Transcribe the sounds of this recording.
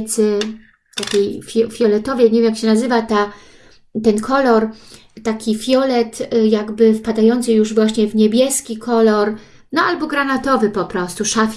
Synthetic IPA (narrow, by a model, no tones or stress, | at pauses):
t̪sɘ | t̪akʲejfʲjɔfʲjɔlɛt̪ɔvʲjɛɲevʲemjakɕɛnazɘvat̪a | t̪ɛnkʰɔlɔɾ | t̪akʲifʲjɔlɛt̪jaɡbɘfpad̪ajɔnt̪sɨjuʐvwaɕɲɛvɲɛbʲjɛskʲikʰɔlɔɾ | nɔalbɔɡɾanat̪ɔvɘpɔpɾɔst̪uʂafʲ